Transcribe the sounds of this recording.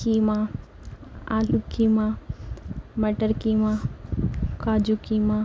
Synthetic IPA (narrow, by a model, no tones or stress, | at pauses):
kimã | aːlukima | məʈəɾkiːmã | kaːd͡ʒukimã